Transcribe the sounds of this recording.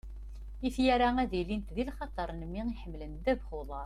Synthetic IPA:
iθjæɾæŋæðilint̪ðilχɑt̪ˤəɾˤnəmːiŋiħəmːlənd̪ævχulˤəɾˤ

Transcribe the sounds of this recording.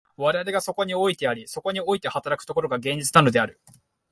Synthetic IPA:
βaɾe̞βaɾe̞ɡaso̞ko̞ɲ̟io̞it̪e̞aɾʲiso̞ko̞ɲ̟io̞it̪e̞hat̪aɾakɯ̟t̪o̞ko̞ɾoɡaɡẽ̞ɲ̟d͡ʑit͡sɨ̥nano̞d̪e̞aɾɯ̟

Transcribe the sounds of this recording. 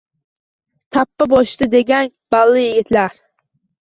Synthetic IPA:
t̪ʰapːabɒʃt̪ɪd̪e̞ɡʲan | balːɪjɪɡʲɪt̪laɾ

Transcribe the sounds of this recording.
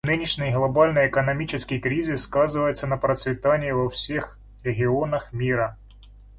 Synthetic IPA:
nɨnʲɪʂnʲɨjɣlˠɐbalʲnɨjɛkənɐmʲit͡ɕɪskʲɪjkɾʲizʲɪsːkazɨvəjɪt̪sənəpɾət̪svʲɪt̪anʲɪjɪvɐfsʲe̞x | ɾʲɪɣʲɪo̞nəxmʲiɾə

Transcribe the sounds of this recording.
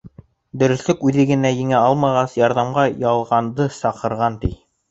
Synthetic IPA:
d̪ɵ̆ɾɵ̆θlɵkʉðɘ̆ɡɘ̆næjɘ̆ŋæɑlˠmɑʁɑsjɑɾðɑmɢɑjɑlˠʁɑnd̪ɤsɑqɤ̆ɾʁɑnt̪i

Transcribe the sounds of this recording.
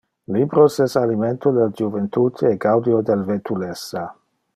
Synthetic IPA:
libɾosɛsaliment̪od̪eld͡ʒuvent̪ut̪eɡawd̪eod̪elvet̪ʰulesa

